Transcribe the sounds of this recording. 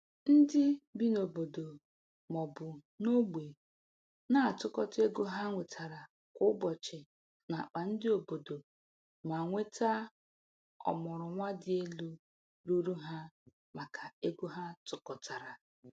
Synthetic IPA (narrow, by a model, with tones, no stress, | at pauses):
n̩˦dɪ˦bi˦no˨bo˨do˨ | mɔ˨bʊ˨ | no˦ɡ͡be˨ | na˦˨tʊ˦kɔ˦te˦ɡu˦ɦa˦ŋʷe˨tʰa˨ɾa˨ | kʷʊ˦bɔ˨t͡ʃe˨ | na˨k͡pa˨n̩˦dɪ˦o˨bo˨do˨ | ma˨ŋʷe˦tʰa˦ | ɔ̰˨mɔ˨ɾʊ˨ŋʷa˦dɪ˦e˦lu˦ | ɾu˦ɾu˦ɦa˦ | ma˨kʰa˨e˦ɡu˦ɦa˦tʊ˨kɔ˨ta˨ɾa˨